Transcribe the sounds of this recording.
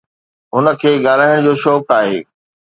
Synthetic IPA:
ɦʊnə̆kʰeːɠaːl̤aːɪəɽ̃d͡ʑoːʃɔːkaːɦḛː

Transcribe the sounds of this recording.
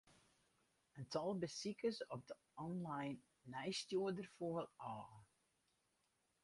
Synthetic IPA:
əntʰɔlˠbəsikəsɔp̚də | ɔnlajnː | ɛjstjuədərfoəlɔː

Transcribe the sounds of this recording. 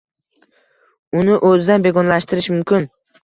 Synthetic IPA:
ʊnɪʔɵzɪd̪anbe̞ɡɒnlaʃt̪ʰɪɾɪʃmʊmkʲʰɪn

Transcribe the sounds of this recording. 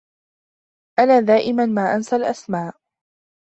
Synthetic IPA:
ʔanaːd̪aːʔɪmanmaːʔansalʔasmaːʔ

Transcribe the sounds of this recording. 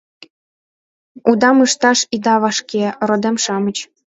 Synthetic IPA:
ud̪ɑmɯʃt̪ɑʃid̪ɑβɑʃkerod̪emʃɑmə̆t͡ɕ

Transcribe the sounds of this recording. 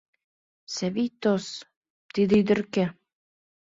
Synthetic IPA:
sæβit̪os | t̪id̪ɘ̆yd̪ɘ̆rke

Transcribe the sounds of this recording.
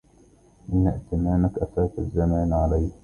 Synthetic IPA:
ʔɪnːaʔt̪ɪmaːnakʔafaːt̪azːamaːnʕalaj

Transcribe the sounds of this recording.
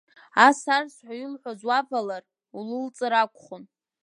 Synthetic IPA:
asarsħʷailħʷazwabalar | ulɨlt͡sʼɨɾakʷʰʼχʊn

